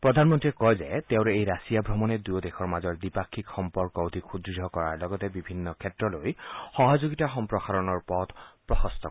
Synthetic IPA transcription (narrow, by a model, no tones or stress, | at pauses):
pɹɔd̪ʱanmɔntiɛkɔjzɛt̪eʊ̃ɹɛejɹasijabʱɹɔmɔnɛdujɔdexɔɹmazɔɹdipakʰːikxɔmpɔɹkɔwtixʰudiɔkɔɹaɹlɔɡɔtɛbibʱinːɔkʰɛtɹɔlojxɔɦazoɡitaxɔmpɹɔxaɹɔnɔɹpɔt̪pɹɔxɔst̪ʰɔ